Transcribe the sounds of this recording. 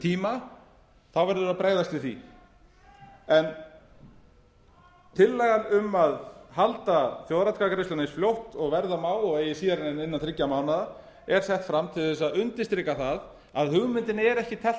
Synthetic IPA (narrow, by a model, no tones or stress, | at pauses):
t̪ʰiːma | θawvɛɾðʏʏɾapɾeːjðast̪vɪθḭ | ɛn | t̪ʰɪlːɛɣanʏmaðhalt̪aθjoːwðɾat̪kakɾɪst̪anɪsfljowht̪ɔɣvɛɾðamaːwɔɣeːjɪsiːðaɾɪɛnɪnːanθʰɾɪcːamaːwnaða | ɛɾ̥sɛht̪fɾamt̪ʰɪlθɛsaðʏnt̪ɪst̪ɾɪkaθað | aðhʏɣmɪnt̪ɪnɪɛɾɛhcɪt̪ʰɛ